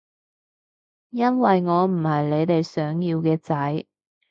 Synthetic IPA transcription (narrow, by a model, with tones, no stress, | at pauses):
jɐ˥nwɐ˨jŋɔː˨˧m̩˨˩hɐ˨jle˨˧jt̪e˨jsœː˨˥ŋjiː˧wkɛː˧t͡sɐ˨˥j